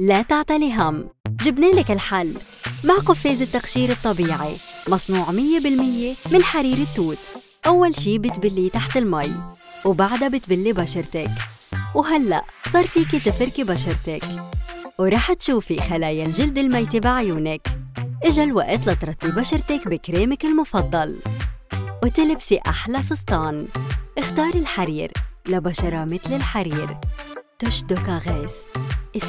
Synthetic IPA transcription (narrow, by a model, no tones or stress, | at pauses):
lat̪aʕt̪aliɦamʒɪbneːlɪkɪlħalː | maʕqʊfːeːzɪt̪ːaqʃiːɾɨt̪ˤːɑbiːʕḭmɑsˤnuːʕmɪjːebɪlmɪjːemɪnħaɾiːɾɪt̪ːuːt̪ | ʔawːalʃiːbɪt̪bɪlːit̪aħt̪ɪlmaj | wbaʕd̪abɪt̪bɪlːibaʃɑɾˤt̪ɪk | wɦalːa̰ʔsˤɑːɾˤfiːkit̪ɪfɪɾkibaʃɑɾˤt̪ɪkwɾˤɑːħt̪ʃuːfixalaːjalʒɪld̪ɪlmajt̪ibɪʕajuːnɪkʔɪʒalwaʔt̪lɑt̪ɾˤɑt̪ˤːibaʃɑɾˤt̪ɪkbɪkɾeːmɪkɪlmʊfɑd̪ˤːɑl | wt̪ɪlɪbsiʔa̰ħlafist̪ˤːɑːnʔɪxt̪ɑːɾˤɪlħaɾiːɾlabaʃɑɾˤɑmɪt̪lɪlħaɾiːɾt̪ʊʃd̪ʊkaɣeːsʔɪ